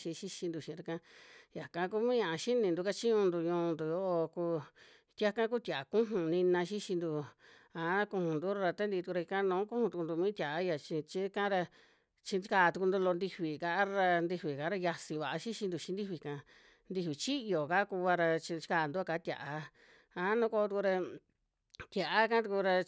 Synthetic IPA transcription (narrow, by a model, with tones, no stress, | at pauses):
ʃĩ˧ʃi˦ʃi˧nd̪u˧˨ʃĩ˧˨˧ɾa˧kã˧ja˨kã˦ku˦mĩː˦ã˧ʔa˧ʃi˦nĩ˧nd̪u˧ka˦t͡ʃĩ˦ɲũ˧nd̪u˧ɲũː˧nd̪u˨jo˦ʔo˧ku˧ | t̪ʲa˦kã˦ku˦t̪ʲa˨a˨kũ˦ɦũ˨nĩ˧nã˧ʃi˦ʃi˧nd̪u˧a˨˦a˦kũ˧hũ˨nd̪u˦ɾa˧ɾa˧t̪a˦nd̪i˧t̪u˧ɾa˧i˧kã˦˧nũː˨˦kũ˦hũ˧t̪u˧ku˧nd̪u˧mĩ˦t̪ʲa˨ʔa˦ja˧˨t͡ʃi˧t͡ʃĩ˧˦kã˦ɾa˧ | t͡ʃi˧i˧kaː˧˨t̪u˧ku˧nd̪u˧lo˧nd̪i˧ɸi˨ka˧ʔa˦ɾa˧nd̪i˧ɸi˨kã˨˦ɾa˧ja˧si˧βa˨ʔa˧ʃi˦ʃĩ˧nd̪u˧t͡ʃĩ˧nd̪i˦hβi˨˧kã˧ | nd̪i˧hβi˨t͡ʃi˦jo˨ka˦ku˧βa˧ɾa˧t͡ʃĩ˧t͡ʃi̥˦kaː˧˨nd̪u˦a˧ka˧˦t̪ʲa̰˨ʔa˧ | ã˧˦nũ˧˦˧ko˧t̪u˧ku˧ɾa˧ | t̪ʲja˨ʔa˦kã˦t̪u˧ku˧ɾa˧